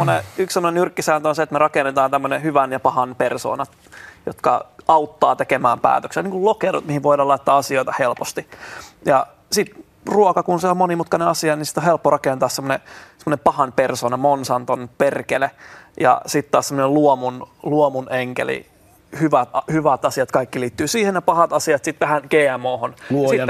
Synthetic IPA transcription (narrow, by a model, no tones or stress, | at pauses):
oneyksemːonenyrkːisæːnt̪onset̪merɑkenːet̪ɑːnt̪æmːønehyʋænjɑpɑhɑnperso̰ːnɑt̪ | jo̰t̪kɑ̰ɑut̪ːɑːt̪ekemæːmpæ̰ːt̪økseniːŋkullokeɾṵt̪mihiʋoidɑːlɑit̪ːɑːɑsioit̪ɑhelpost̪ijɑ | sit̪ | ruokɑkunseommonimut̪kɑneɑsiɑninsi̥t̪ːohelpːorɑkent̪ɑːssemːonesemŏnempɑhɑnpersoːnɑmonsɑnt̪onperkelejɑ̰sit̪ːt̪ɑːssemːoneluomunluomuneŋkḛlḭ | hyʋæt̪ɑhyʋæt̪ɑsiɑt̪kɑikːiliːt̪ːyːsiːhenepɑhɑt̪ɑsiɑt̪sit̪ʋæhænɡ̥eːæmoːhonlɑsi